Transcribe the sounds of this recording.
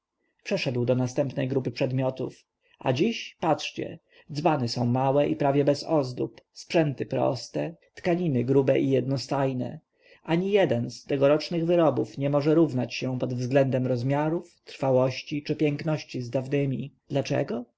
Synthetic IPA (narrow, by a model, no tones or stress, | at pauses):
pʂɛʂɛd̪wd̪ɔnast̪ɛmpnɛjɡɾup̬ɘpʂɛd̪mʲjɔt̪ṵf | a̰d͡ʑiɕpatʂt͡ɕɛ̰ | d̪zvanɛsɔ̃w̃mawɛʔipɾavʲjɛbɛsɔzd̪ṵpspʂɛnt̪ɘpɾɔ̰st̪ɛt̪kaɲinɘɡɾubɛʔijɛd̪nɔst̪ajnɛ̰ | ʔaɲijɛd̪ɛnst̪ɛɡɔɾɔt͡ʂnɘɣvɘɾɔbufɲɛmɔʐɛɾuvnat͡ɕɕɛpɔd̪vzɡlɛnd̪ɛmɾɔzmʲjaɾuft̪ɾfawɔɕt͡ɕit͡ʂɘpʲjɛŋknɔɕt͡ɕizd̪avnɘmʲid̪̥lat͡ʂɛ̰ɡɔ